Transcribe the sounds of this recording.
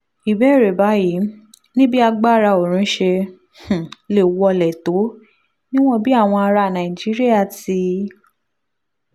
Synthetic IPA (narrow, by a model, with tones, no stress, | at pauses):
i˨bɛ˦˨ɾe˨ba˨˦ji˨˦ | nĩ˦bi˦a˧ɡ͡ba˦˨ɾa˧o˨ɾ̃ũ˨˦ʃe˧ | h̩˨le˨wɔ˧lɛ˨to˨˦ | nĩ˦w̃ɔ̃˦˨bi˦a˦˨w̃ɔ̃˧a˧ɾa˧˨nã˨ĩ˨d͡ʒi˨˦ɾi˦a˦˨ti˧˦